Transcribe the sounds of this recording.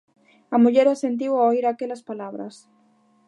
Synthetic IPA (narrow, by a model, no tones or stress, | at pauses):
ɐmuʎeɾasent̪̬iwaoiɾakelɐspalaβɾɐ̰s